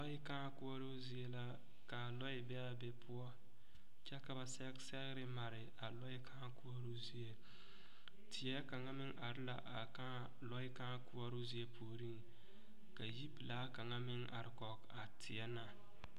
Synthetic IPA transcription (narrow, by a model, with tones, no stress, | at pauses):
lɔ˦ɪ˦ka˦kʊ˦ɔ˦ɾo˦zi˦e˦la˦ | ka˨lɔ˦ɪ˦bɛ˦a˨bɛ˦pʰʊ˦ɔ˦ | t͡ʃɛ˦ka˨ba˨sɛ˦ksɛ˦ɣɪ˦ɾɪ˦ma˨ɾɪ˨ | a˨lɔ˦ɪ˦kʰa˦ku˦ɔ˦ɾu˦zi˦e˦ | tʰɪ˨ɛ˦ka˨ŋa˦mɪ˦ŋʔa˨ɾɪ˦la̰˨ʔa˨ka˦ | lɔ˦ɪ˦ka˦kʊ˦ɔ˦ɾo˦zi˦e˦pʰu˨ɾi˦ŋ | ka˨ji˦bi˨laː˦ka˨ŋa˦mɪ˦ŋa̰˨ɾɪ˨kɔ˨ka˨tʰɪ˨ɛ˦na˨